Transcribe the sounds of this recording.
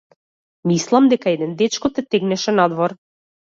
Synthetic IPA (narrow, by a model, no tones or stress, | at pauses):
mislˠamd̪ɛkaɛd̪ɛnd̪ɛt͡ʃkɔt̪ɛt̪ɛɡnɛʃɛnad̪vɔɾ